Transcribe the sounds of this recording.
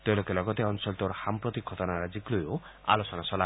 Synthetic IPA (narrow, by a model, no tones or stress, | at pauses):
t̪elokelɔɡɔt̪eɔnsɔlt̪oɾhampɾɔt̪ikʰːɔt̪ɔnaɾad͡ʒiklojoa̰losɔnasɔla